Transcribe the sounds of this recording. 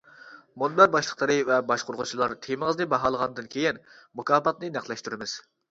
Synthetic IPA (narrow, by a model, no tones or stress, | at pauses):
monlæɾbɑʃlˠəqlˠɨɾɨvɛbɑʃqʰoɾʁʊt͡ʃʰilˠɑɾt̪ʰemɨʁəznɨbɑɦɑːlˠəʁɑnd̪ɨnkʲʰejinmukʰɑːpɑt̪̚nɨnæχlˠɛʃt̪uɾɪmɪz̥